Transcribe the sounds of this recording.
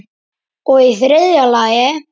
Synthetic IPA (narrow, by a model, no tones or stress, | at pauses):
ɔɣiθɾɪðjalaːjɛ